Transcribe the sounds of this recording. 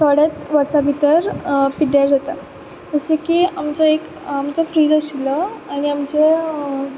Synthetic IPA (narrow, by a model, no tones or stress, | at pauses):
t̪ɔɽjat̪ʋəɾsabʱit̪əɾpiɽjaɾd͡zat̪a | t̪əsekiamt͡ɕaek | amt͡ɕafɾiːd͡zaɕiləaɽ̃iamt͡ɕe